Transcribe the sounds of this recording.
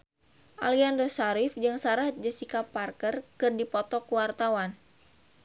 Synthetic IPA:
ʔa̰liandosaɾifd͡ʒɨŋsaɾat̪̚d͡ʒəsikaparkərkɨrdipɔt̪ɔkuwart̪awan

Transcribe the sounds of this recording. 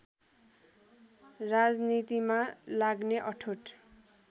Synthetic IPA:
rad͡znit̪imalaɡneʔʌʈʰoʈ

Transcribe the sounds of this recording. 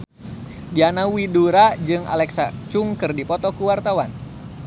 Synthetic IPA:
dianawiduɾad͡ʒɨŋa̰lɛksat͡ʃuŋkɨrdipɔt̪ɔkuwart̪awan

